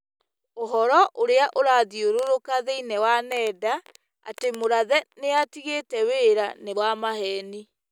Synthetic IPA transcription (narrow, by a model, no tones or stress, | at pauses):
oɦɔɾɔʔoɾeaʔoɾaðioɾoɾokaðeinɛwanɛda | a̰temoɾaðɛneatiɣetɛweɾanewamaɦɛni